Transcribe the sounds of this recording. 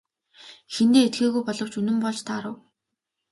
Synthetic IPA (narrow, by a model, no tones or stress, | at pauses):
xent̪eːet̪̚ɡeːɣujpɔɮɞ̆w̥t͡ɕɵnɘ̆mpɔɮt͡ɕt̪ʰaːɾə̆w